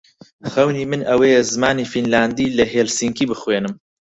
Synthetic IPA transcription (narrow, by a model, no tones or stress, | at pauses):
χɐwniːmɨnʔɐwejɛzɨmaːniːfinlaːnd̪iːlɐɦeːlsiŋkiːbɨxweːnɨm